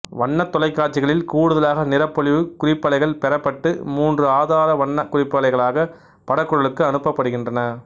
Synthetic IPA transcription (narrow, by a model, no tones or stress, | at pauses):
ʋɐɳːɐt̪ːɔlɐɪkːaːʈt͡ʃːɪɣɐɭɪlkuːɽɯðɐlaːɣɐnɪɾɐpːɔɭɪʋɯkʊrɪpːɐlɐɪɣɐɭpɛɾɐpːɐʈːɯmuːndrɯaːðaːɾɐʋɐɳːɐkʊrɪpːɐlɐɪɣɐɭaːɣɐ | pɐɽɐkːɯɻɐɭɯkːɯɐnɯpːɐpːɐɽɯɣɪndrɐnɐ